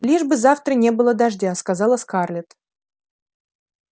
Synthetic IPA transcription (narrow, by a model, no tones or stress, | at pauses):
lʲiʐbɨzaft̪ɾənʲe̞bɨlˠəd̪aʐdʲaskazɑlˠəskarlʲɪt̪